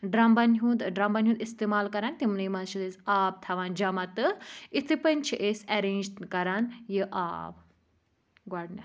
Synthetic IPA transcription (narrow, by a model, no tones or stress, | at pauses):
ɖɾambanɦũːnd̪ɖɾambanɦũnd̪ist̪emaːlkɐɾant̪imnɐjmanʃit̪esaːb̚t̪ʰɐʋaːnd͡ʒamat̪ɨit̪ʰɨpɐnʲt͡ʃʰiʔesɐɾeːnd͡ʒkɐɾanjəʔa̰ːb | ɡaɽnʲɐ